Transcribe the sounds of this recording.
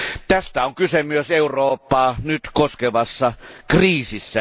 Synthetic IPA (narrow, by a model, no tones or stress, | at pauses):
t̪æst̪æoŋkysemyøseuroːpːɑːnyt̪koskeʋɑsːɑkriːsisːæ